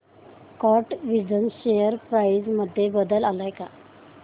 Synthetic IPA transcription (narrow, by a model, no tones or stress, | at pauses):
kɔʈʋid͡zənɕejəɾpɾaisməd̪ʱːjebəd̪əlalajka